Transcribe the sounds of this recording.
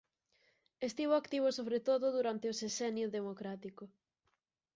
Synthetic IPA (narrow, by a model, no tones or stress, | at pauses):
est̪iβ̞oakt̪iβ̞osoβɾet̪oðʊðuɾant̪eosesɛnjoðemokɾat̪iko